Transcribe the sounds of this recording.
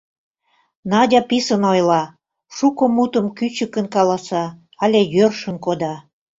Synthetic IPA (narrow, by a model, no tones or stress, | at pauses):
nɑdʲɑpisənojlɑ | ʃukomut̪ə̆mkyt͡ɕəkə̆nkɑlɑsɑ | ɑlʲejørʃənkod̪ɑ